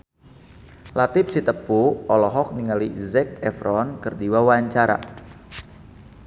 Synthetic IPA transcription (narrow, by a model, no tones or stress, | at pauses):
lat̪ɪp̚sit̪əpuɔlɔɦɔk̚niŋalizɛk̚ɛfɾɔnkɨrdiwawaɲt͡ʃaɾa̰